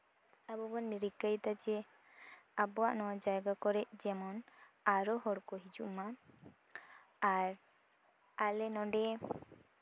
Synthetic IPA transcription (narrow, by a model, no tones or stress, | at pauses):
abɔbanmiɾikːajt̪ad͡ʒɛ | abɔaʔnɔwad͡ʒajɡakɔɾɛʔd͡ʒɛmɔn | aɾɔhɔɽkɔɦid͡ʒṵʔma | aɾ | alɛnɔɳɖɛ